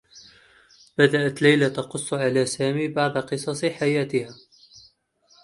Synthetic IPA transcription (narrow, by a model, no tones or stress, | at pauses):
b̥ad̪aʔat̪lajlat̪ɑqʊsˤːʊʕalaːsaːmiːbaʕd̪qɨsˤɑsˤħajaːt̪ɪhaː